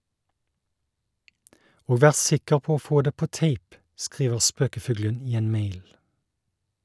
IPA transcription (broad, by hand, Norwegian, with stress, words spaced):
ˈoː ˈʋæːʁ ˈsɪkəʁ ˈpoː ˈoː ˈfoː ˈdeː ˈpoː ˈteɪp ˈskʁiːʋəʁ ˈspøːkəˌfʉːɡlən ˈiː ˈeːn ˈmeɪl